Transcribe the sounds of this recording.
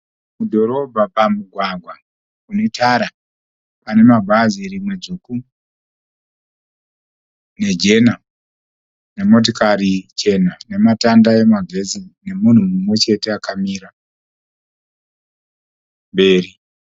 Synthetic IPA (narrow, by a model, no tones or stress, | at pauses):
mudʱo̞ɾo̞bʱapamuɡʱwaɡʱwa | unetʰaɾa | pane̞maɡʱaziɾimwe̞d͡zuku | ne̞d͡ʒe̞na | ne̞mo̞t̬okarit͡ʃe̞nane̞matandaje̞maɡʱe̞zine̞mun̤umumwe̞t͡ʃe̞te̞akamiːɾa | mbe̞ːri